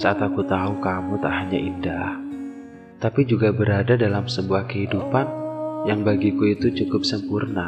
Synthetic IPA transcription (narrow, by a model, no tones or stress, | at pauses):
saʔat̪akut̪aɦukamut̪aʔɦaɲaʔindah | t̪apid͡ʒuɡabəɾadadalamsəbuahkəɦidupanjaŋbaɡikuit̪ut͡ʃukʊp̚səmpurna